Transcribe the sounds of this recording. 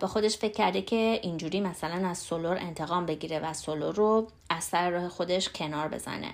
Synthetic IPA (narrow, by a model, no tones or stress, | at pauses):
bexo̞d̪e̞ʃfe̞cʰʲːæɾd̪ecʰe̞ʔind͡ʒuːɾiːmæsælænæzsoloɾe̞̰nt̪ʰe̞ɣɒːmbe̞ɟiːɾevæsoloɾo | æz̥sæɾeɾɒːhexo̞d̪e̞ʃcʰe̞nɒːɾbe̞̰z̥æ̰nḛ